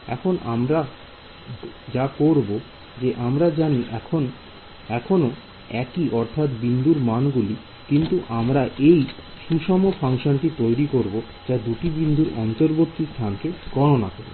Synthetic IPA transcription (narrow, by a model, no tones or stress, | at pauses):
ɛ̰kʰonʔa̰mɾa | d͡ʑakoɾbo | d͡ʑeʔamɾad͡ʑaniʔɛkʰon | ɛkʰono | ɛkiʔɔɾt̪ʰat̪bind̪uɾmanɡuli | kint̪uʔamɾaʔej | ʃuʃɔmopʰaŋʃonʈit̪ojɾikoɾbo | d͡ʑad̪uʈibind̪ʱuɾɔ̰nt̪oɾbot̪ːist̪ʰankeɡ̥ɔɾonakoɾo̰